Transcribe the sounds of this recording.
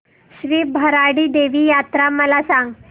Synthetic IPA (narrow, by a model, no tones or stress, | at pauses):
ɕʋiːbʱəɾaɽiːd̪eʋiːjat̪ɾaməlasãŋɡ